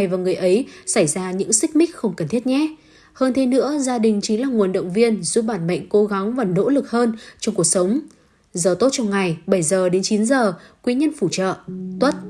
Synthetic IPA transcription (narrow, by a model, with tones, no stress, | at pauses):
jvaː˨˩ŋɨ˨˩əjʔə˨˦jsa˧˩jzaː˧ɲɨ̰˧˥ŋsï˦˥k̟̚mï˦˥k̟̚xə˧wŋ͡mkə˨˩nt̪ʰi˦˥ət̚ɲɛ˨˦ | həː˧nt̪ʰe˨˧˦nɨ̰˧˥əzaː˧ɗï˨˩ŋ̟t͡ɕi˨˦ŋlaː˨˩ŋu˨˩ənɗə̰˧˨wŋ͡mvi˧ənzu˦˥p̚ɓaː˧˩nmə̰˧˨jŋ̟ko˨˦ɣa˨˦ŋvaː˨˩no̰˧˥lɨ˨˩k̚həː˧nt͡ɕɔ˧ŋ͡mku˨˩ək̚sə˨˦wŋ͡m | zəː˨˩t̪o˦˥t̚t͡ɕɔ˧wŋ͡mŋa˨˩jɓə˧˩jzəː˨˩ɗe˨˦nt͡ɕi˨˦nzəː˨˩kwi˨˦ɲə˧nfu˧˩t͡ɕə̰ː˧˨t̪wə˦˥t̚